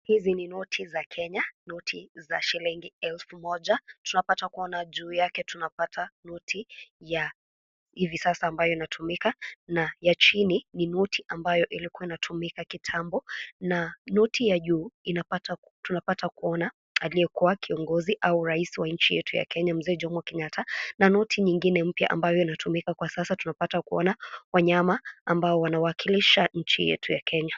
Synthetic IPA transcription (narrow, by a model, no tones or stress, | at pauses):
hizininɔtʰizakʰɛɲanɔtʰiza̰ʃiliŋɡiɛlfumɔʄatunapatakuɔnaʄuːjakɛtunapatʰanɔtʰija | hivisasaːmbajɔinatʰumikanajat͡ʃinininɔtʰiʔambajɔʔilikuainatʰumikakitʰambɔnanɔtijaʄuːinapata | tunapatakuɔna | alijɛkuwakʰiɔŋɡɔziʔauɾaisiwaɲ̩t͡ʃijɛ̰tʰuja̰kɛɲam̩zɛːd͡ʒɔmwakɛɲatʰananɔtʰiɲiŋɡinɛm̩pja̰ʔa̰mbajɔinatumikakwasasatunapatakuɔ̰nawaɲamaːmbaɔwanawaːkʰiliʃaɲ̩t͡ʃḭjɛ̰tʰujakʰɛɲa